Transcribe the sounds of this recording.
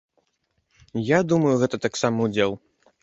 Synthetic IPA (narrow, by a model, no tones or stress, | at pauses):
jad̪umɐjuɣɛt̪ɐt̪aksamɐud͡zʲelˠ